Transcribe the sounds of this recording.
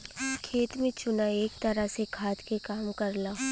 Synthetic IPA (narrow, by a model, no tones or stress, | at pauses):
kʰeːt̪mẽt͡ʃʊnaeːk̚t̪ɐɾasekʰaːt̪kekaːmkɐɾlaː